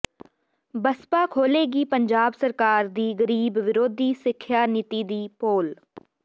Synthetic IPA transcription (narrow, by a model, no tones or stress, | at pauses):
bəspaːkʰoːleːɡiːpəɲd͡ʒaːbsəɾkaːɾd̪iːɡəɾiːbʋɪɾoːd̪ʱiːsɪkʰjaːnɪt̪iːd̪iːpoːl